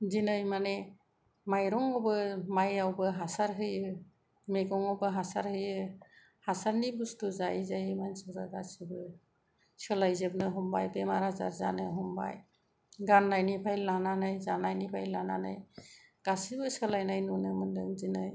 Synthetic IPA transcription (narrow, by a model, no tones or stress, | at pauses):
zinɯjmane | majɾɔŋɔbɯmajawbɯɦasaɾɦɯjɯ | meɡɔŋɔbɯɦasaɾhɯjɯ | hasaɾnibustuzajzajmansɯzaɡasibɯ | sɯlajzebnɯɦɔmbajbemaɾaza̰ɾzanɯɦɔmba̰j | ɡanːajnipʰajllananajzanajnipʰajlanana̰jɡ̥asibɯsɯlajnajnunɯmɯndɯŋzinɯj